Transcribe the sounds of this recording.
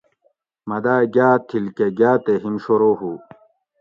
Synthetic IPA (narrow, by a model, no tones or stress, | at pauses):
mɐd̪aːɡaːt̪ʰilkeɡaːt̪eɦimɕoɾoːɦu